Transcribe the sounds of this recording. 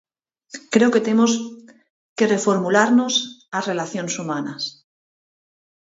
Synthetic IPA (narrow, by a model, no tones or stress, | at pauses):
kɾe̞oke̞t̪e̞mo̞s | ke̞re̞fo̞ɾmulaɾno̞sare̞laθjo̞nesumanas